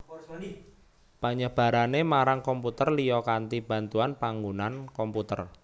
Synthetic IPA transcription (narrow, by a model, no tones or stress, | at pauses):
paɲəb̥a̤ɾanemaɾaŋkɔmput̪ərlijɔkant̪ib̥a̤nt̪uanpaŋɡunankɔmput̪ə̰r